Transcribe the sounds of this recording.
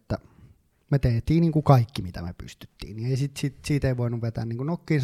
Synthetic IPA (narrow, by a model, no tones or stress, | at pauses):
t̪ːæ | met̪eːt̪iːnniːŋkukɑikːimit̪æ̰mḛpy̰st̪y̥t̪ːḭːnnieˑisit̪sit̪siːt̪eiʋoˑinuʋʋet̪æ̰ːnniːŋkunokːiːns